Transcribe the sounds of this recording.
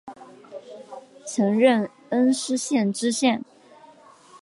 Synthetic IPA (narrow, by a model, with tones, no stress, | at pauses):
t͡sʰɤ˧˥ŋɻə˥˩n | ə˥nʂɻ̩˥ɕjɛ˥˩nʈ͡ʂɻ̩˥ɕjɛ˥˩n